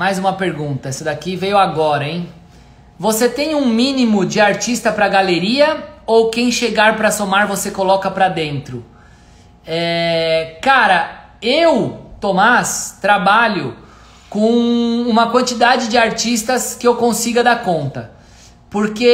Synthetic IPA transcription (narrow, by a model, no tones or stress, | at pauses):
majzũmɐpeɾɡũnt̪ɐɛsʊd̪akivejʊaɡɔɾɐẽj̃ | voset̪ẽj̃ũmĩnimʊd͡ʒɪaɾt͡ʃist̪ɐpɾɐɡaleɾiɐowkẽj̃ʃeɡaɾpɾɐsomaɾvosekolɔkɐpɾɐd̪ẽnt̪ɾʊ | ɛ | kaɾɐ | ewt̪omast̪ɾabaʎʊ | kõũmɐkwɐ̃nt͡ʃid̪ad͡ʒɪd͡ʒɪaɾt͡ʃist̪ɐskɪewkõsiɡɐd̪akõnt̪ɐ | poɾke